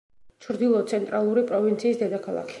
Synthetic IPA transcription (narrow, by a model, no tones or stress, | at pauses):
t͡ʃʰɾd̪ilˠɔt̪sʰɛnt̪ʼɾalˠuɾipʼɾɔvint̪sʰiːsd̪ɛd̪akʰalˠa̰kʰi̥